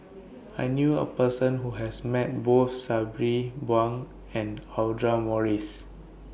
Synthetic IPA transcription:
ajnjuə̰pəsə̃nɦuɦɛsmɛt̚bot̪sabɹibwãŋ | ɛ̃naldɹamɔɹis

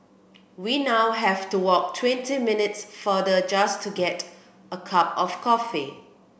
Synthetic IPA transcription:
winawɦɛvtuwɔk̚tʰwɛ̃ntimɪnɪtsfədəd͡ʒastʰuɡɛt | əkʰap̚ɔfkʰɔfi

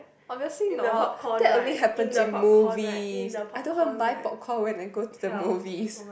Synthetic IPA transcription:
ɔbviəslinʰd̥ɛtõnliɦɛpə̃ntumuvisajdõnhãbaɪpɔt̚kʰɔwɛ̃ntãnɡotudəmuvis

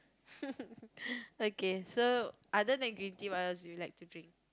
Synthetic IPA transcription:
okesoʔadənɛ̃ɡɹĩntiwaɛsujulaɪk̚tudɹĩŋk̚

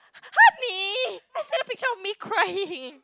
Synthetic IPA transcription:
hatmiaɪsɛɾʌpɨ̃tʰoʊlˠd̚mikʰɹ̥aɪɪɪ̃ŋ

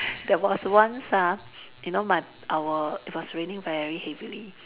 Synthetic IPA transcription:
dɛwɔswãnsa | junomaɪ | ʔawəit̚wɔsɹẽnĩŋvɛɹihɛvili

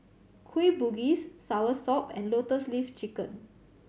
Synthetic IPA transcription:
kʰwibuɡisːawəsɔpɛ̰̃nlotəslift͡ʃikə̃n

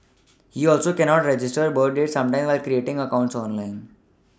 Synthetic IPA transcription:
hiːɔlsoːkɛnɔːʈɾed͡ʒɪsʈəɾbəːɾɖɖeʈsʌ̃mʈãj̃mʋaɪlkɾieʈɪ̃ŋɡəkãʊ̃ɳʈsɔːnlãɪn

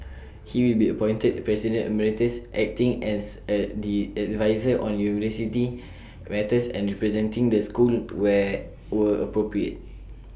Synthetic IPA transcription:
hiwilbiəpɔ̃j̃ntət̚pɹɛsidə̃nəmɛɹitəsʔɛk̚tĩŋɛ̃ndiɛdvaɪzəʔɔ̃njunivəsiti | mɛtəsɛ̰̃nɹɛpɹɛzɛ̃ntĩŋdəskulwɛ | wəəpɹopɹiə̰t̚

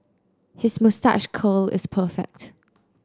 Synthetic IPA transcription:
hɪsmɔsta̰ʃkʰoːlɪ̰spʰəːfɛ̰k̚t

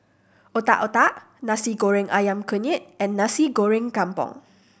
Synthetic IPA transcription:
ʔot̪a̰ʔot̪aʔ | nãsiɡoɹɪ̃ŋʔa̰jãmkəɲit̪̚ɛ̃nːãsiɡoɹɪ̃ŋkampɔ̰̃ŋ

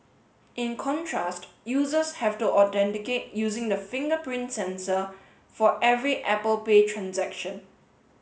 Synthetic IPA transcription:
ʔɪ̃nkʰɔ̃ntʰɹastjuːzəshɛvtuʔɔtɛ̃ntɪket̚juːzɪ̃ŋdəfɪ̃ŋɡəpɹĩntsɛ̃nsə | fɔʔɛvɹiʔɛpəlpetʰɹãnsɛkʃə̃n

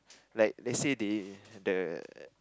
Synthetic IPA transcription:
laɪk̚lɛsididə

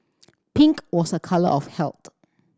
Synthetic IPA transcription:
pĩŋkwɔsəkʰalə̰ʔɔfhɛlˠt

